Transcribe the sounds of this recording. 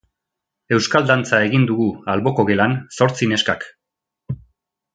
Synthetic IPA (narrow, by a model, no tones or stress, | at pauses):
e̞wskald̪ant͡sae̞ɣind̪uɣualβo̞ko̞ɣe̞lanso̞ɾt͡sine̞skak